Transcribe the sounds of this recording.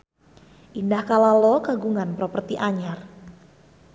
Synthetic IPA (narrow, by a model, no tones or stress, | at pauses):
ʔindahkalalɔkaɡuŋanpɾopərt̪iʔaɲar